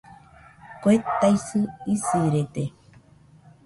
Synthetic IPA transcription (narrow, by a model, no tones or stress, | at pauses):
koet̪ːajsɨisiɾet̪e